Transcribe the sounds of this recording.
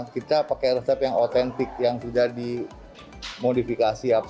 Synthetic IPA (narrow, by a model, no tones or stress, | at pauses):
kit̪apakajrəsəpjaŋot̪ɛnt̪ɪk̚jaŋsudahdi | modifikasiap